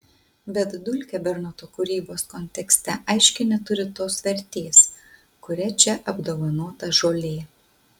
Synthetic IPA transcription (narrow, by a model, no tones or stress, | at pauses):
bʲɛt̪d̪ʊlʲkʲɛbʲɛɾnot̪oːkʊɾʲiːboːskɔnʲt̪ʲɛksʲt̪ʲɛʔɐɪʃʲkʲɪnʲɛt̪ʊɾʲɪt̪oːsʋʲɛɾʲt̪ʲeːs | kʊɾʲɛt͡ʃʲɛʔɐbd̪oːʋɐnoːt̪ɐʒoːlʲeː